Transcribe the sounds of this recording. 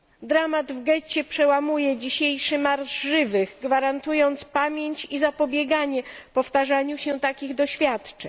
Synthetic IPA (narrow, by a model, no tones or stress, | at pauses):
d̪ɾamad̪vɡɛt͡ɕɛpʂɛwamujɛd͡ʑiɕejʂɘmaɾzʐɘvɘɣɡvaɾant̪ujɔnt̪spamʲjeɲt͡ɕizapɔbʲjɛɡaɲɛpɔft̪aʐaɲuɕɛt̪akʲiɣd̪ɔɕfʲjat̪t͡ʂɛ̰ɲ